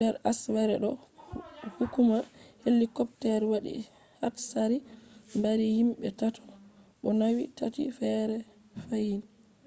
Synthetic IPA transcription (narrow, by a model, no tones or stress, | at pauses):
dɛɾaswɛɾɛɗɔ | hukumaɾhelːikɔptɛɾwaɗḭ | ha̰tsaɾimbaɾihimɓɛtatʰɔ̥ɓɔnawitatḭfɛɾɛ | fajin